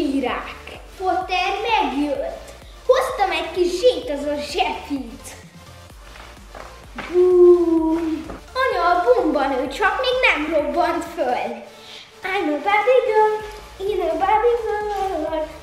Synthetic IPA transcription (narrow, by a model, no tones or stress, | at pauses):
iːɾaːk | fot̪ɛrmɛɡjøt̪ː | host̪ɒmɛckiʃʒeːt̪ɒzɒʒɛfit̪ | buː | ɒɲɒlbumbɒnøːt͡ʃɒkmeːɡnɛmrobːɒnt̪føl | ajnobabiɡø | inobabizo